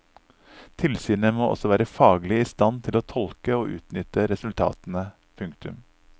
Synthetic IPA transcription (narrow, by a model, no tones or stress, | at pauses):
t̪ʰɪlsyːnəmoːʔɔ̰sɔʋæːɾəfɑːɡlɪiːst̪ɑnt̪ʰɪloːt̪ʰɔlkəoːʔʉ̰ːt̪nʏt̪əɾɛsʉlt̪ʰɑ̰ːt̪n̩ə | pʰʉŋkt̪ʉm